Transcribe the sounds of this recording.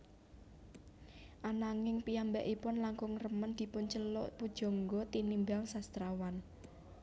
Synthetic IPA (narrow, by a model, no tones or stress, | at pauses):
ʔanaŋɪŋpijambɛʔipʊnlaŋkʊŋrəmənd̪̥i̤pʊnt͡ʃəlɔʔpud̥ʒ̥ɔ̤ŋɡɔt̪inimbaŋsast̪ɾawan